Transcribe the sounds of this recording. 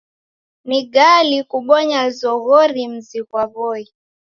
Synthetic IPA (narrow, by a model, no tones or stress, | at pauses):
niɡalikuɓɔɲazɔɣɔɾim̩zikwaβɔi